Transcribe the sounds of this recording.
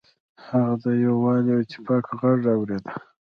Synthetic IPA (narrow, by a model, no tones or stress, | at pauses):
haɣad̪ajawwɑliet̪ɪ̥pɑkʰɣaʐawɾed̪a